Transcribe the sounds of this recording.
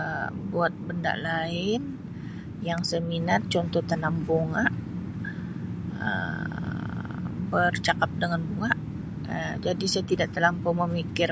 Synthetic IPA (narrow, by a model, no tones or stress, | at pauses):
əbuat̪̚bənda̰ʔlaɪn | jaŋsəminat̪̚t͡ʃɔnt̪ɔht̪ənambuŋaʔ | ə̰ | bərt͡ʃakap̚dəŋanbuŋaʔ | əd͡ʒadisajat̪idaʔt̪əlampoməmikɪr